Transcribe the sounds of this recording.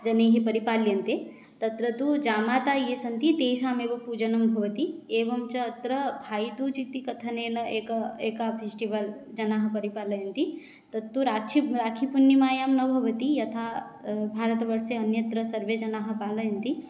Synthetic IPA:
d͡ʒɐneːɦipɐɾipaːljɐnt̪e | t̪ɐt̪ɾɐt̪ud͡ʒaːmaːt̪aːjesɐnt̪it̪eːʃaːmeːʋɐpuːd͡ʒɐnɐmbʱɐʋɐt̪ieːʋɐmt͡ʃɐːt̪ɾɐbʱaːit̪ut͡ʃit̪ikɐt̪ʰɐneːnɐeːkɐeːkapʰesʈiʋɐl | d͡ʒɐnaːɦɐ̆pɐɾipaːlɐjɐnt̪i | t̪ɐt̪ːuɾaːkʃʰiɾaːkʰipunjimaːjaːmnɐbʱɐʋɐt̪ijɐt̪ʰaː | bʱaːɾɐt̪ʋɐɾseɐnjɐt̪ɾɐsɐɾʋed͡ʒɐnaːɦɐ̆paːlɐjɐnt̪i

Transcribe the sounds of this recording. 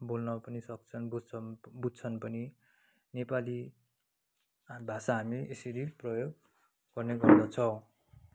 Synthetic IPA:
bolnʌpʌnisʌk̚t͡sʰʌnbud͡zt͡sʰʌbud͡zt͡sʰʌnpʌni | nepali | bʱasaɦamiʔesʌɾiprʌjoɡ | ɡ̥ʌrneɡʌrd̪ʌt͡sʰʌw

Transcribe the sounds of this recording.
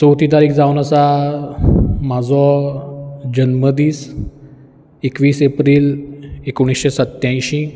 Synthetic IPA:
sowt̪it̪aɾiːkd͡zawnəsa | mad͡zɔ | d͡ʑənməd̪iːs | ekʋiːsepɾiːlekoɽ̃isɕesət̪jãj̃ɕĩ

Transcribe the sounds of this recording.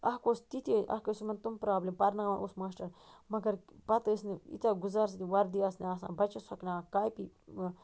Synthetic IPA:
ɐɦkost̪it̪iʔɐ̰kɐsumɐnt̪umpɾaːbleːmpɐɾnaːmɐnʔusmaːsʈɐɾmɐɡɐɾpɐt̪əsniḭt̪ʲaɡuzaːɾs̬it̪iʋɐɾd̪iɐsneasa̰ːbɐt͡ʃɐsɐknakaːjpi

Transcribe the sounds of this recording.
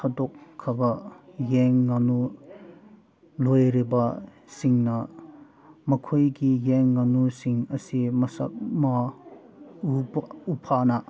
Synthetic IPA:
sʰɐdokʰːɐbɐjeŋːanu | lojɾibɐ | siŋnɐ | mɐkʰojɡijeŋːanusiŋɐsimɐsa̰k̚mɐ | uupʰanɐ

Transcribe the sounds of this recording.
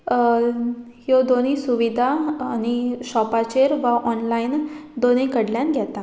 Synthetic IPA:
hjod̪onisuʋid̪ʱaːñiɕɔpat͡ɕeɾʋaʔɔnlaind̪onikəɽljanɡʱjɛt̪a

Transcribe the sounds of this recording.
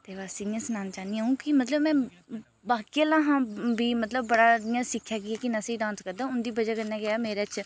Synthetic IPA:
t̪eːʋaːsiɪjãːsənaːnt͡ʃaːniãːũːkɪmət̪ləbmɛ̃ː | baːkiəlãːɦãːbiːmət̪ləbːəɽaːɪjãːsɪkʰːjaːɡɪaːkɪnasiːɖãːnskəɾd̪ãːʊnd̪iːbəd͡ʒaːkənːaːɡɪaːmeːɾeːt͡ʃ

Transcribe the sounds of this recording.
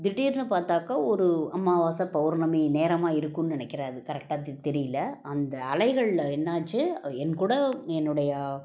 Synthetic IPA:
d̪ɪʈːiːɾnɯpaːɾt̪aːkaːɔɾɯɐmːaːʋaːsɐpɐʋʊɾnɐmeneːɾɐmaːɪɾɯkːɯnnɪnɛkːɪɾaːðɯkɐɾɛk̚ʈaːt̪ɛɾɪjɪlːɐɐnd̪ɐɐlɐɪɣɐɭlɛnːaːt͡ʃːɯɛnkuːɽɐɛnːɯɽɐjɐ

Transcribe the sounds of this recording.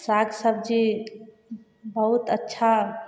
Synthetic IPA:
saɡsəbd͡ʒi | bəɦut̪ətːʃʰa

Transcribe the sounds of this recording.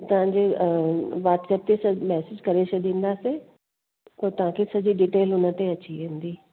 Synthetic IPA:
t̪ɐʋ̤ãɲd͡ʑe | ʋaːʈsɛːp̚t̪esɐmɛːsɪd͡ʑkɐɾet͡ɕʰɐɗ̪ĩːnd̪ase | t̪ɐt̪ɐʋ̤ãkʰesɐd͡ʑiɖiːʈeːlʊnə̆t̪eɐt͡ɕiʋẽnd̪iː

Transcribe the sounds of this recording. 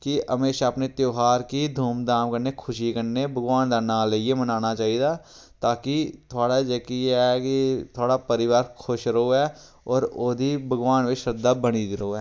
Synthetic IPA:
kiəmeːʃaəpnet̪joːɦaːɾkid̪ʱuːmd̪aːmkəɾnekʰʊʃikəɾnebʱəɡʋaːnd̪analeijemənaːnat͡ʃaːɦid̪a | t̪aːkit̪ʰoaːɽad͡ʒeːkijɛkit̪ʰoːɽapəɾɪʋaːɾkʰʊʃɾəɦoɛː | ɔːɾoːd̪ʱibʱəɡʋaːnʋeʃəd̪ːabəɽ̃id̪ɪɾəɦoɛː

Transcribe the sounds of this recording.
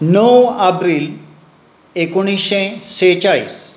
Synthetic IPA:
nəwɐpɾil | ekoɽ̃iɕẽset͡ɕaɭḭːs

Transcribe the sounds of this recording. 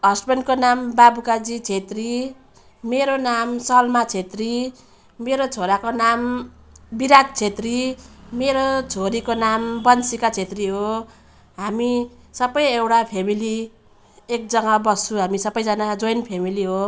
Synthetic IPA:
ɦʌsbenkonambabukad͡zit͡sʰet̪ri | meɾonamsʌlmat͡sʰet̪ri | meɾot͡sʰoɾakonam | biɾad̪̚t͡sʰet̪rimeɾot͡sʰoɾikonambʌnsikat͡sʰet̪riɦo | ɦami | sʌbʌjewʈapʰemili | ek̚d͡zʌŋabʌsʰuɦamisʌbʌjd͡zʌnad͡zojnpʰemiliɦo

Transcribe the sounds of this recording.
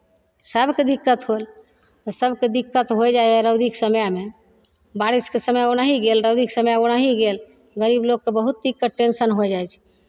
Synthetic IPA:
səbʱked̪ikːət̪ɦol | t̪ɔsəbʱked̪ikːət̪ɦojd͡ʒaɦɛɾəd̪iksəmjame | baɾiskesəmjaoñaɦiɡelɾəwd̪iksəmjaoñaɦiɡel | ɡəɾibloɡ̚kːebəɦut̪̚d̪ikːəʈensənɦojd͡ʒajt͡ʃʰɛ̥

